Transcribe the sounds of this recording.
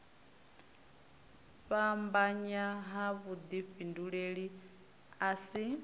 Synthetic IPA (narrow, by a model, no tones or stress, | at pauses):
ɸambaɲaɦaβud̪iɸinduɺeɺi | asi